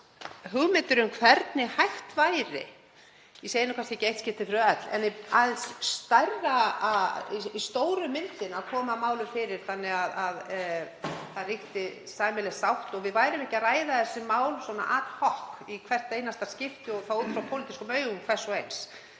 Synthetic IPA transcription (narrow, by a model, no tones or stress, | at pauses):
ɦʏɣmɪnt̪ʏɾʏmkʰvɛɾt̪nɪhajft̪vajɾɪ̰ | iseːjɪnɪkʰast̪ɛcejht̪scɪft̪ɪfɾʏœt̪lɛ̰nːiaðɪnsːt̪ajrːaaiist̪oːwɾʏmːɪnt̪ɪnaðkʰɔːmamaːwlʏfɪːɾɪɾ̥θanːɪɣaðað | θarixt̪ɪ | saːjmɪlɛsawht̪ɔɣvɪðvaːjɾɪmɛhcaraːjðaθɛsːʏmaːwlswɔːna̰ʔaːt̪l̥hɔhkikʰvɛr̥t̪ejnast̪ḁscɪft̪ɪɔɣθauːt̪fɾawpʰowlɪt̪iskʏmœːɥɣʏmkʰv̥ɛr̥sɔejns